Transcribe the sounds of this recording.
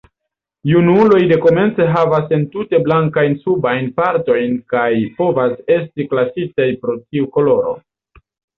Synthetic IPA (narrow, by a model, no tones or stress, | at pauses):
junulo̞jde̞ko̞me̞nt͡se̞ɦavase̞ntute̞blaŋkajnsubajnpaɾto̞jnkajpo̞vase̞stiklasitajpɾo̞tiuko̞lo̞ɾo̞̰